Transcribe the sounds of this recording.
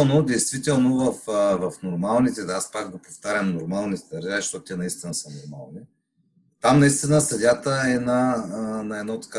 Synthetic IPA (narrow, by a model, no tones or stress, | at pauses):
nod̪ɛjst̪vit̪ɛlˠnovɐfvɐfnoɾmalˠnit̪ɛd̪aspakɡopoft̪aɾʲjəmnoɾmalˠnit̪ɛd̪ɐɾʒaʃt̪ɔt̪t̪ɛnɐist̪inəsənoɾma̰lˠni | t̪amnɐist̪inəsɐd̪ʲat̪əɛnanɐɛd̪nat̪ːɐ̥ka